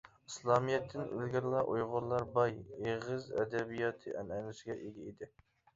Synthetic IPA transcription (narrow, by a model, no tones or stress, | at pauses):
ɨslˠɑmijɛt̪ʰːɪnø̰lɡʲɪɾlˠɑʔojʁʊɾlˠɑɾbɑjeʁɨzɛ̰d̪ɛbijɑt̪ʰɨʔɛ̰nɛnlɪsɡʲɛʔeɡʲɛid̪ɪ